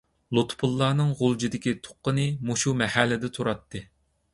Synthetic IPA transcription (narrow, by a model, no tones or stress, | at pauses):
lˠot̪pʰulˠːɑːnɨŋʁolˠd͡ʒid̪ɪkʲit̪ʰo̥qːənɨmuʃumɛhælːɪd̪ɛt̪ʰuɾɑt̪ʰːɨ